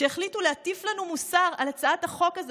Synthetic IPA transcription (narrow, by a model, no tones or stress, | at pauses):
eeχlituleatiflanumusaʁalat͡saataχo̞kaz